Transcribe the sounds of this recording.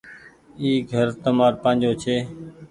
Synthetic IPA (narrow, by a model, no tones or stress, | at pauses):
iːɡʱəɾt̪əmaːɾpãːnd͡ʒoːt͡ʃʰeː